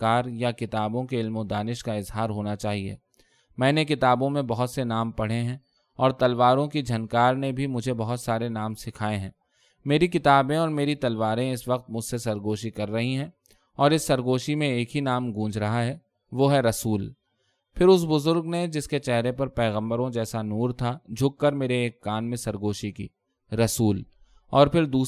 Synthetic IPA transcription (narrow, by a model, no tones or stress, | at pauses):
kaːɾjakɪt̪aːbõkeɪlmõd̪aːnɪʃkaɪzɦaːɾɦoːnat͡ʃaːɦiḛː | mɛ̃ːnekɪt̪aːbõmẽbɐɦʊt̪senaːmpɐɽ̤eɦɛ̃ | ɔːɾt̪ɐlʋaːɾõkid͡ʒʱɐnkaːɾnebʱimʊd͡ʒʱebɐɦʊt̪saːɾenaːmsɪkʰaːẽɦɛ̃ː | meːɾikɪt̪aːbẽɔːɾmeːɾit̪ɐlʋaːɾẽɪsʋɐq̚t̪mʊd͡ʒʱsesɐɾɡoːʃikɐɾːɐɦiɦɛ̃ː | ɔːɾɪsːɐɾɡoːʃimẽeːkɦinaːmɡũːd͡ʒʱɾɐɦaɦɛː | ʋoːɦɛɾɐsuːl | pʰɪɾʊs̬bʊzʊɾɡned͡ʒɪsket͡ʃɛɦɾepɐɾpɛːɣə̃mbəɾõd͡ʒɛːsanuːɾt̪ʰad͡ʒʱʊkːɐɾmeːɾeːkːaːnmẽsɐɾɡoːʃikḭː | ɾɐsuːl | ɔːɾpʰɪɾd̪uː